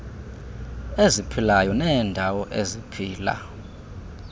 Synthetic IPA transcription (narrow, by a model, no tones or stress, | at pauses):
ezipʰilajɔnɛːndʱawɔʔezipʰiːla̰